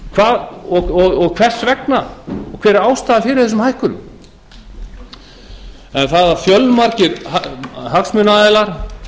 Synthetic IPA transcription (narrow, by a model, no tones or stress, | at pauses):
kʰvaːðɔɔɣɔɣkʰvɛr̥svɛknaɔkʰvɛːɾɪɾaːwst̪aːðafɪɾɪθɛs̬ʏmhajhkʏɾʏm | ɛnθaðaɾfjœlnmaɾcɪɾhahaksmʏnaːðɛlaɾ̥